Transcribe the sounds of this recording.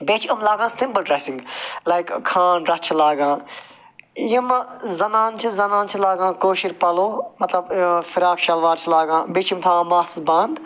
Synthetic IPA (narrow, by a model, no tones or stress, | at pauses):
beːt͡ʃʰɐmlaːɡãːsimbəlʈɾɛːsĩŋɡlajkkʰːãːnɖɾɐt͡ʃʰilaːɡãː | jɐmzɐnãːnt͡ʃʰizɐnãːnt͡ʃʰilaːɡãːkoːʃiɾpɐloːmɐt̪lɐbfɪɾaːkʃɐlʋaːɾt͡ʃʰilaːɡãːbeːt͡ʃʰimt̪ʰãːmaːsbãːnd̪